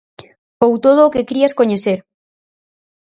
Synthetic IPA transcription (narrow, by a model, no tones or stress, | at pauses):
owt̪oð̞oːkekɾiaskoɲeθeɾ